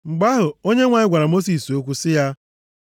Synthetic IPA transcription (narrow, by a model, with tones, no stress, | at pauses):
ŋ͡m̩˨ɡ͡ba˦ɦʊ˨o˦ɲe˦ŋʷa˨ɲɪ˦ɡʷa˨ɾa˨mo˦s̬i˨so˦k̬ʷu˦sɪ˦ja˦